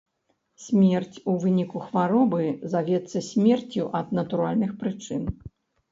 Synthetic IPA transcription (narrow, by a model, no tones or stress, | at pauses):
sʲmʲɛrt͡sʲuvɨnʲikuxvaɾɔbɨzavʲɛt̪sːɐsʲmʲɛrt͡sʲuʔɐd̪nɐt̪uɾalʲnɨxpɾɨt͡ʂɨn